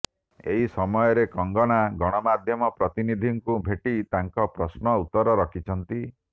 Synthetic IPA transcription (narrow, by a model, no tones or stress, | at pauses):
ḛɦisɔmɔjɔɾekɔŋɡɔɽ̃aɡɔɽ̃ɔmad̪ʱjɔmɔpɾɔt̪inid̪ʱiŋkubʱeʈit̪aŋkɔpɾɔsnɔut̪ːɔɾɔɾɔkʰit͡ʃʰɔnt̪i